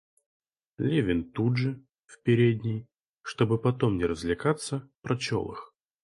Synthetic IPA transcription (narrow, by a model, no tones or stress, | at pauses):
lʲevʲɪnt̪udʐɨ | fpʲɪɾʲed̪ʲnʲɪj | ʂt̪o̞bɨpɐt̪omnʲɪɾəzʲlʲɪkat̪sːəpɾɐt͡ɕo̰lˠɨ̰x